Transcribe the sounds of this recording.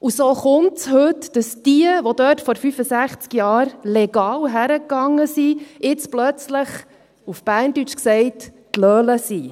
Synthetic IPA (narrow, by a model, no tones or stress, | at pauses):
ʔusoːχʊntshɵtd̥əsd̥iəʋodœːtfɔɾfyfəsæχt͡skjɑːɾlɛɡ̥ɑːwɦæɾəkːɑŋːəsiɪt͡splœt͡sləχ | ufb̥æːrntyt͡ʃksɛɪt | tlœːləsi